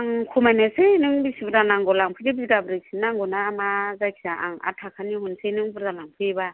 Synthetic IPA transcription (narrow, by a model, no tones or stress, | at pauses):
aŋkʰumajnesenɯŋbisibɯɾdanaŋɡɔlaŋpʰɯdibziɡabɾik̚sinːaŋɡɔnamazajkʰi̥saʔa̰ŋa̰tʰakʰaniɦunsejnɯŋbɯɾdalaŋpʰɯba